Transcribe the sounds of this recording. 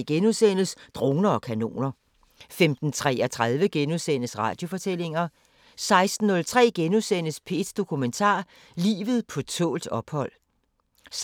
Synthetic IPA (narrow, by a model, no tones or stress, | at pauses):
ɡ̥enuðˠsen̰əsd̥ʁo̝ːnɐɒ̽kʰæno̝̰ːnɐ | femd̥n̩t͡sʰʁɛ̰ːɐt͡sʰʁað̞ˠʋəɡ̥enuðˠsen̰əsʁɑ̈ːd̥jo̝fɒ̽t͡sʰel̰e̝ŋɐ | sɑ̈ɪsd̥n̩ːɔ̽lt͡sʰʁɛ̰ːɡ̥enusen̰əspʰe̝̰d̥d̥o̝kʰument͡sʰɑ̰̈ː | lḭːʋð̞̩ˠpʰɒ̽t͡sʰɔ̰ːld̥ɒ̽b̥hɒ̽l̰